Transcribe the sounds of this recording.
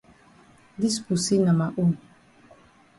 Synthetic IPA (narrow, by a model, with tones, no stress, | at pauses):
di˦spu˨si˦na˨ma˨ʔu˦˨n